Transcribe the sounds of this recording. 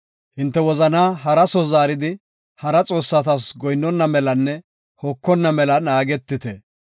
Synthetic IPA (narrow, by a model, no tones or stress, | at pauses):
hɪnt̪ːɛwɔzɐnaːɦɐɾɐsɔzaːɾɪd̪ɪ | hɐɾɐt͡sʼo̞ːsːɐt̪ɐsɡɔjnːɔnːɐmɛlɐnːɛ | hɔkːɔnːɐmɛlɐnaːɡɛt̪ːɪt̪ɛ